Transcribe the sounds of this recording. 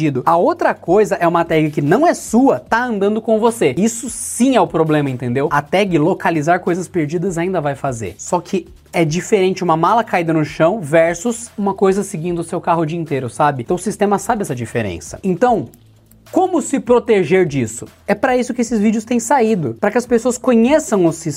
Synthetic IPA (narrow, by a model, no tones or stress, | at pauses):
id̪ʊɐowt̪ɾɐkojzɐʔɛũmat̪ɛɡɪkɪnɐ̃w̃ɛsuɐt̪aɐ̃nd̪ɐ̃nd̪ʊkõvoseisʊsĩɛʊpɾoblẽmɐẽnt̪ẽnd̪ewat̪ɛɡɪlokalizaɾkojzɐspeɾd͡ʒid̪ɐzaĩnd̪ɐvajfazḛɾsɔkʰɪ | ɛd͡ʒifeɾẽnt͡ʃɪũmɐmalɐkaid̪ɐnʊʃɐ̃w̃vɛɾsʊsũmɐkojzɐsɪɡĩnd̪ʊsewkaɦʊd͡ʒiiẽnt̪eɾʊsabɪt̪ɐ̃w̃ʊsist̪ẽmɐsabɪɛsɐd͡ʒifeɾḛ̃sɐ̥̰ẽnt̪ɐ̃w̃ | kõmʊsɪpɾot̪eʒeɾd͡ʒisʊɛpɾɐisʊkɪesɪzvid͡ʒʊst̪ẽj̃said̪ʊpɾɐkɪɐspesoɐskõɲesɐ̃w̃ʊsi